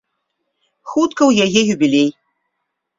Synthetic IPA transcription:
xut̪kɐwjaɣɛjubʲilʲej

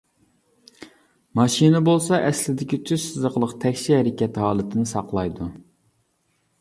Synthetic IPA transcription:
mɑʃinɛbolˠsɑʔɛslɪd̪ɪkʲit͡ʃʰyʃsɨzəqlˠəqt̪ʰɛkʲʃihɛɾɪkʲɛt̪hɑːlˠɨt̪ʰɪnɪsɑqlˠɑjd̪u

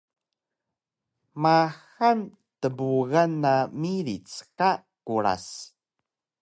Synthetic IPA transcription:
maxan | təbuɣanːamiɾit͡ska | kuɾa̰s

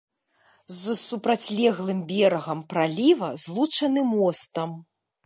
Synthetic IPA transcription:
zsupɾat͡sʲlʲɛɣlˠɨmbʲɛɾɐɣɐmpɾalʲivɐzlˠut͡ʂɐnɨmɔst̪ɐm

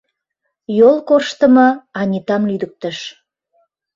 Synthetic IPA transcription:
jolˠkorʃt̪əməɑnʲit̪ɑmlyd̪ək̚t̪əʃ

